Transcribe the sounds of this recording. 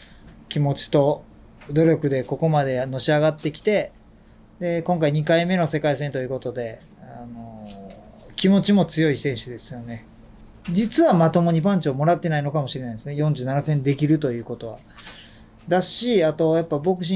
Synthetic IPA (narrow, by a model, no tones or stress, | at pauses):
kʲimo̞t͡ɕi̥t̪o̞ | d̪o̞ɾʲo̞kɯ̟d̪e̞ko̞ko̞mad̪e̞no̞ɕiaɡat̪ːe̞kʲi̥t̪e̞ | d̪e̞kõ̞ŋkaiɲ̟ikaime̞no̞se̞kaisẽ̞nt̪o̞jɯ̟ko̞t̪o̞d̪e̞ | ano̞ | kʲimo̞t͡ɕimo̞t͡sɨjo̞isẽ̞ɰ̃ɕɨd̪e̞sɨ̥jo̞ne̞ | d͡ʑit͡sɨβamat̪o̞mo̞ɲ̟ipãɲ̟t͡ɕoːmo̞ɾat̪ːe̞naino̞kamo̞ɕiɾe̞najd̪esɨnejõɲ̟d͡ʑɨ̟ːnanasẽ̞nd̪e̞k̬ʲiɾɯ̟t̪o̞jɯ̟ːko̞t̪o̞βa̰ | d̪aɕiat̪o̞japːabo̞kɯ̟̥ɕ̬ĩ